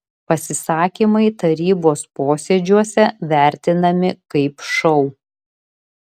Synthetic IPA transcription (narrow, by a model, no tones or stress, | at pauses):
pɐsʲɪsɑːkʲimɐɪt̪ɐɾʲiːboːspoːsʲed͡ʒʲuɔsʲɛʋʲæˑɾʲt̪ʲɪnɐmʲɪkɐɪpʃɔʊ